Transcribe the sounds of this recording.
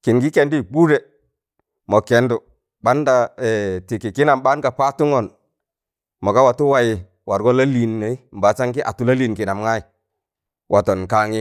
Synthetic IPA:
ki˨nɡi˦ke˨ndi˦˨bu˦ɾe˨ | mɔ˨ke˨ndu˨ | ɓa˦nda˨ɛ˨ti˨ki˨ki˦na˨mba˦nka˨pa˦tu˦ŋɔ˨n | mɔ˨ka˦wa˨tu˦wa˦ji˨ | wa˨ɾɡɔ˦la˦li˨nːe˨i˦m̩˨ba˨t͡ʃa˦ŋki˦ʔa̰˨tu˦la˦li˨nki˨na˨mŋa˦i˨ | wʔa˨tɔ˨nka˨˦ŋi˦

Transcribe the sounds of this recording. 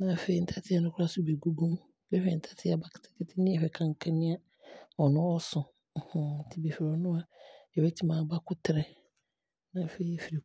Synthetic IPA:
nã˨fe˦i˨n̩˦tʰa˦tʰɪ˦a˨nʊ̃˦kʰʊ˦ɾa˦sʊ˦be˨ɡu˦ɡũ˦m | bɛ˦hɛ˨n̩˨tʰḁ˦tʰɪ˦a˨ba˦kʰɪ̥˨tʰɪ̥˦kʰɪ˦tʰɪ˦nɪ̃˦ɛ˨ɸɛ˨kʰã˨ŋ˨kʰã˦nɪ̃˦a˦ | ɔ˨nʊ̃˦ɔ˦sʊ̃˨ | hʊ̃˦n̩˨tʰɪ˦bi˨fɪ˨ɾɔ˨nʊ̃˦a˦ɛ˨wɛ˦tʰi˦mã˨ba˦kʊ˦tʰɪ˨ɾɛ˨ | nã˨fe˦i˦˨fi˨ɾi˨

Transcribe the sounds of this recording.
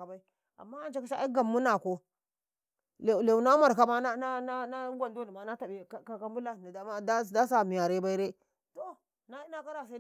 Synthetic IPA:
a˨ba˦i˦ | a̰˨mːa˦a˦˨˦t͡ʃa˦ka˦ʃa˦ɡa˨mːu˦na˨ko˦ | le˨le˨u˨na˦ma˨ɾka˦ma˦na˦na˦na˦ɡʷa˨ndo˦ni˨ma˨na˦ta˨be˨kka˨ka˦mbu˦la˨n˨da˨ma˦da˦˨da˦sa˨mi˨ja˨ɾe˦ba˦i˦ɾe˦ | to˦ | na˦i˦na˦ka˦ɾa˨sa˦

